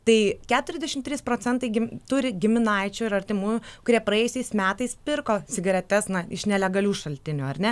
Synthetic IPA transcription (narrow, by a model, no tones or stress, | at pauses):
t̪ɐɪkʲæːt̪ʊɾʲɛzʲd̪ʲɛʃʲɪmt̪ʲɾʲiːspɾoːt͡sʲɛnt̪ɐɪɡʲɪmt̪ʊɾʲɪɡʲɪmʲɪnɐɪt͡ʃʲʊːɪɾɐrʲt̪ʲɪmuːjukʊɾʲiɛpɾɐjɛjʊsʲɛɪsmʲæːt̪ɐɪspʲɪrkoːsʲɪɡɐɾʲɛt̪ʲɛsnɐɪʃnʲɛlʲɛɡɐlʲuːʃɐlʲt̪ʲɪnʲuːɐrʲnʲɛ